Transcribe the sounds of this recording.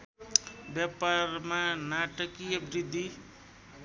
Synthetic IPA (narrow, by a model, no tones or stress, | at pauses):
bjapaɾmanaʈəkiʌbɾid̪ʱːi